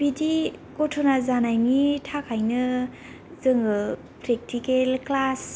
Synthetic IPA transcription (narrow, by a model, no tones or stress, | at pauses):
bidikotʰonazanajnitʰakʰajnɯ | zɯŋɯ | pɾek̚tikelklas